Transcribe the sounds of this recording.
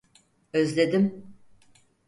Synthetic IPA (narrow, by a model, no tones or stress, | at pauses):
øzlʲe̞d̪im